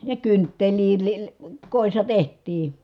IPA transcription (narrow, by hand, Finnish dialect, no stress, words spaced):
jɑ kyntːeliː li koˑisːɑ tehtˑiː